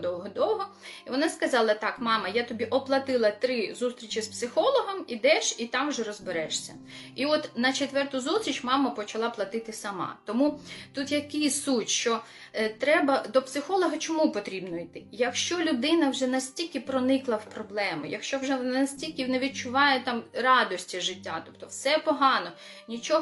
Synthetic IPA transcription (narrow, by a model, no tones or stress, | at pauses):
d̪ɔwɦɔd̪ɔwɦɔ | iʋɔnɑskɐzɑlˠɐt̪ɑkmɑmɐjat̪ɔbʲiʔɔplˠɐt̪ɪlˠɐt̪ɾɪzust̪ɾʲit͡ʃɪspsɪxɔlˠɔɦɔmid̪ɛʃit̪ɑmwʒɛɾɔzbeɾɛʃsʲɐ | iɔt̪nɐt͡ʃet̪ʋɛrt̪ʊzusʲt̪ʲɾʲit͡ʃmɑmɐpɔt͡ʃɐlˠɑplˠɐt̪ɪt̪ɪsɐmɑ̰t̪ɔmut̪ut̪jɐkɪjʲsutʲʃt͡ʃɔ | t̪ɾɛbɐd̪ɔpsɪxɔlˠɔɦɐt͡ʃɔmupɔt̪ɾʲibnɔijt̪ɪjɐkʃt͡ʃɔlʲʊd̪ɪnɐwʒɛnɐsʲtʲilʲkʲɪpɾɔnɪklˠɐwpɾɔblˠɛmʊ̰jɐ̰kʃt͡ʃɔwʒɛɐsʲtʲilʲkʲɪneʋʲid̪̚t͡ʃʊʋɑjɛt̪ɑmɾɑd̪ɔsʲtʲiʒɪtʲːat̪ɔpt̪ɔwsɛpɔɦɑnɔ | nʲit͡ʃɔɦ